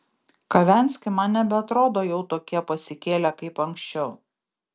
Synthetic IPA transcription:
kɐʋʲæˑnʲˑsʲkʲɪmɑnʲnʲɛbʲɛɐt̪ɾoːd̪oːjɛʊt̪oːkʲiɛpɐsʲɪkʲeːlʲækɐɪpɐŋʲksʲt͡ʃʲɛʊ

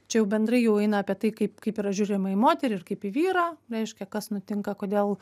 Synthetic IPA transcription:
t͡ʃʲɛjɛʊbʲɛnd̪rɐɪjɛʊɛɪnɐːpʲiɛt̪ɐɪkɐɪpkɐɪpiːɾɐʒʲuːɾʲɪmɐɪmoːt̪ʲɛɾʲɪːɪrkɐɪpiːʋʲiːɾɑːɾʲɛɪʃʲkʲɛkɐsnʊt̪ʲɪŋkɐkoːd̪ʲeːlˠ

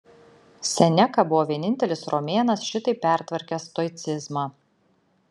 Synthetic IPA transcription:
sʲɛnʲɛkɐbʊʋɔːʋʲiɛnʲɪnʲt̪ʲɛlʲɪsɾɔmʲeːnɐsʃʲɪt̪ɐɪpʲæˑɾʲt̪ʲʋɐɾʲkʲɛst̪ɔɪt̪sʲɪzmɑ

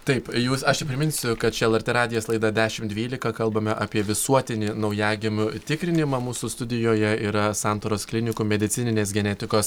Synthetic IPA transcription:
t̪ɐɪpjuːsɐʃnʲɛpʲɾʲɪmʲɪnsʲʊkɐt̪̚t͡ʃʲɛɛlˠɐɾʲt̪ʲeːɾɑːd̪ʲɪjoːslˠɐɪd̪ɐd̪ʲæːʃʲɪmtd̪ʲʋʲiːlʲɪkɐkɐlˠbɐmʲɛʔɑːpʲiɛʋʲɪsuɔt̪ʲɪnʲiːnɒʊjæːɡʲɪmt̪ʲɪkɾʲɪnʲɪmɑmuːsʊst̪ʊd̪ʲɪjoːjɛiːɾɐsɑːnt̪oːɾoːsklʲɪnʲɪkʊmʲɛd̪ʲɪtsʲɪnʲɪnʲeːsɡʲɛnʲɛt̪ʲɪkoːs

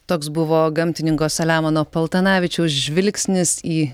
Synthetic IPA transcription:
t̪oːksbʊʋoːɡɐmʲt̪ʲɪnʲɪŋkoːsɐlʲæːmɐnoːpɐlˠt̪ɐnɑːʋʲɪt͡ʃʲɛʊsʒʲʋʲɪlʲksʲnʲɪsiː

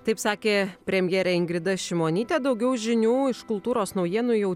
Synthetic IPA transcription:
t̪ɐɪpsɑːkʲeːpʲɾʲɛmʲjɛːɾʲɛːɪŋɡɾʲɪd̪ɐʃʲɪmoːnʲiːt̪ʲeːd̪ɐʊɡʲɛʊʒʲɪnʲuːɪʃkʊlˠt̪uːɾoːsnɐʊjiɛnujɛʊ

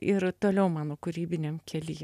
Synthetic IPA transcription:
ɪɾt̪oːlʲɛʊmɑːnoːkʊɾʲiːbʲɪnʲemkʲʰɛlʲiː

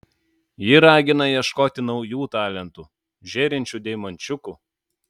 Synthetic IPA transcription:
jɪɾɑːɡʲɪnɐjiɛʃkoːt̪ʲɪnɒʊjuːt̪ɑːlʲɛnt̪uː | ʒʲeːɾʲɪnʲt͡ʃʲuːˑd̪ʲɛɪmɐnʲt͡ʃʲʊkuː

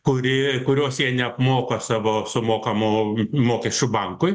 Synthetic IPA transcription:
kʊɾʲɪkʊɾʲoːsjiɛnʲɛɐpmoːkɐsɑːʋoːsʊmoːkɐmʊːmoːkʲɛʃʲt͡ʃʲubɐŋkʊɪ

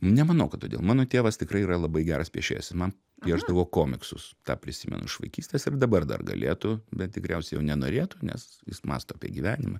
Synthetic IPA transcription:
nʲɛmɐnɐʊkɐt̪̚oːd̪ʲḛːlˠmɑːnoːt̪ʲeːʋɐst̪ʲɪkɾɐɪiɾɐlˠɐbɐɪɡʲæːɾɐspʲiɛʃʲḛːsʲsmɐn | pʲiɛʒd̪ɐʋoːkoːmʲɪksʊst̪ɑ̰ːpʲɾʲɪsʲimʲɛ̰nʊ̰ʃʋɐ̰ɪkʲiːsʲt̪ʲeːsɪrd̪ɐbɐrd̪ɐ̰rɡɐ̰lʲḛːt̪ʊbʲɛt̪̚t̪ʲɪkɾʲɛʊsʲɛjɛʊnʲɛnoːɾʲeːt̪ʊnʲɛ̰sjɪ̰smɑ̰ːst̪oɐpʲḭɛɡʲiːʋʲæːnʲɪmɐ

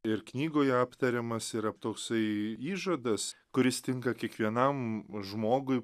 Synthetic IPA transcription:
ɪɾknʲiːɡoːjɛɑːpt̪ɐɾʲɛmɐsɪɾɐpt̪oːksɐɪiːʒɐd̪ɐskʊɾʲɪst̪ʲɪŋkɐkʲiɛkʋʲiɛnɐmʒmoːɡʊɪ

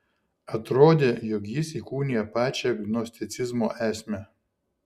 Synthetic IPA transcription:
ɐt̪ɾoːd̪ʲeːjɔkjɪsikuːnʲɪjɛpɑːt͡ʃʲɛɐɡnɔsʲt̪ʲɪt̪sʲɪzmoːʔæːsʲmʲɛ

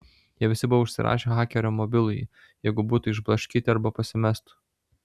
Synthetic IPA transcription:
jiɛʋʲɪsʲɪbʊʋɐʊʃʲsʲɪ̰ɾʔɑ̰ːʃʲeɣɑːkʲɛɾʲoːmɔbʲɪlˠʊj | jɛɪɡʊbuːt̪ʊɪʒblˠɐʃʲkʲiːt̪ʲɪɐɾbɐpɐsʲɪmʲɛst̪ʊ̥

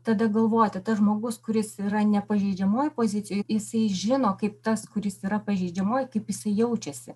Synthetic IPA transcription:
t̪ɐd̪ɐɡɐlˠʋoːjt̪ɐt̪ɐʒmoːɡʊskʊɾʲɪsiːɾɐnʲɛpɐʒʲɛɪd͡ʒʲɛmoːjpoːzʲɪt̪ʲɪjoːjjɪsɐɪʒʲɪnoːkɐɪpt̪ɐskʊɾʲɪsiːɾɐpɐʒʲɛɪd͡ʒʲɛmoːjkɐɪpjɪsɐɪjɛʊt͡ʃʲɛsʲɪ

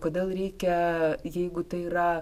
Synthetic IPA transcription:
koːd̪ʲeːlˠɾʲɛɪkʲɛjɛɪɡʊt̪ɐɪiːɾɐ

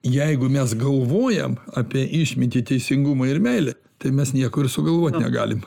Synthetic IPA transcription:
jɛɪɡʊmʲɛsɡɐlˠʋoːjɛ̰mɑːpʲiɛʔɪʃʲmʲɪt̪ʲit̪ʲɛɪsʲɪŋɡuːmɐɪɾmʲɛɪlʲɛ | t̪ɐɪmʲɛsnʲiɛkoːɪrsʊɡɐlˠʋoːt̪ʲnʲɛ̰ɡɑ̰ːlʲɪm

